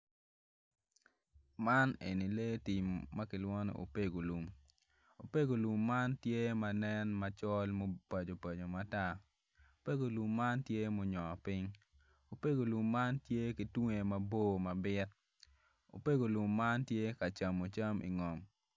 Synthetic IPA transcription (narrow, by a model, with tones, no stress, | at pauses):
ma˦nḛ˨ni˨le˦ti˨mːa˦kɪ˨lwɔ˦no̰˨ʔo̰˨pe˦ɡo˨lu˨m | o˨pe˦ɡo˨lu˨mːa˦ntje˦ma˨nɛ˦nma˨t͡ʃɔ˦lmo˦pa˨d͡ʒo˨pa˨d͡ʒo˨ma˨ta˦ | o˨pe˦ɡo˨lu˨mːa˦ntje˦mo˨ɲɔ˨pɪ˦ɲ | o˨pe˦ɡo˨lu˨mːa˦ntje˦kɪ˨tu˦ŋe˨ma˨bo˦ma˨bɪ˦t | o̰˨pe˦ɡo˨lu˨mːa˦ntje˦ka˨t͡ʃa˨mo˨t͡ʃa˦mʔḭ˨ŋɔ˨m